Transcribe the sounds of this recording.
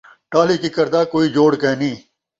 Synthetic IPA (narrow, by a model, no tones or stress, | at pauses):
ʈaːliːkikəɾd̪aːkoːiːd͡ʒoːɽkeːnĩː